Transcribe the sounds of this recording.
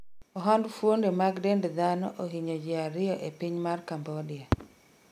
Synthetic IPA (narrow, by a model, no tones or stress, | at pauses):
ɔɦandfwondemaɡdendd̪anɔʔoɦiɲod͡ʒɪaɾɪɔʔepiɲmarkambɔdɪa